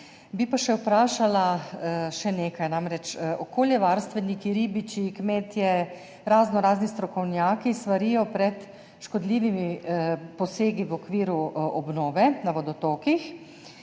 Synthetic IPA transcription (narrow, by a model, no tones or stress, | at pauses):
bipaʃɛwpɾaːʃalaʃɛneːkajnaːmɾɛt͡ʃʔɔkoːljɛʋaːɾst̪ʋɛnikiɾiːbit͡ʃikmeːt̪jɛ | ɾaːznɔɾaːznist̪ɾɔkɔwnjaːkist̪ʋaɾiːjɔpɾɛt̪ | ʃkɔd̪liːʋimipɔseːɡiʋɔkʋiːɾuɔbnɔːʋɛnaʋɔd̪ɔt̪oːkix